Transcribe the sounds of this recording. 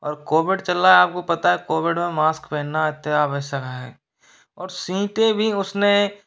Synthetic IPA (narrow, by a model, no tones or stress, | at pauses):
ɔːɾkoːʋɪɖt͡ʃɐlaɛaːp̚kopɐt̪aɦɛkoːʋɪɖmẽmaːskpɛːnaɪt̪ːaːʋɛːsakaɦɛː | ɔːɾsĩːʈebʱiʊsne